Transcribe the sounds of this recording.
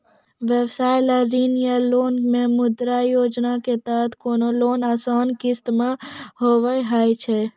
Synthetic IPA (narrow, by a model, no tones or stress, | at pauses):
ʋebsaːɪlaɾiːnjaloːnmẽmʊd̪ɾajoːd͡ʒnaket̪aːt̪koːnoloːnaːsaːnkiɪst̪ɪmahoːʋaiɦaːit͡ʃʰe